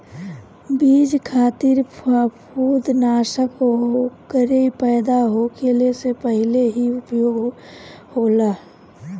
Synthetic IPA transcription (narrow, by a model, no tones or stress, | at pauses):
biːd͡ʒkʰaːt̪iɾppʰuːd̪naːʃəkokəɾepɛːd̪aɦokeːlesepəɦɪleɦiʊpjoːɡ | hoːlaː